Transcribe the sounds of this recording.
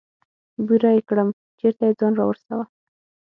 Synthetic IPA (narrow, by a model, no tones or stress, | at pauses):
buɾajekɽəm | t͡ʃeɾt̪ajed͡zɑnɾɑwəɾsawa